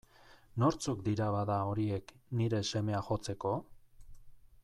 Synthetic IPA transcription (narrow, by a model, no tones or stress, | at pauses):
no̞ɾt͡sukd̪iɾaβaðao̞ɾie̞kniɾe̞se̞me̞axo̞t͡se̞ko̞